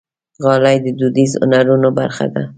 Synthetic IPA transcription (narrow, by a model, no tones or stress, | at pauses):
ɣɑlajd̪əd̪ud̪izʊ̰naɾunoba̰ɾχa̰d̪a̰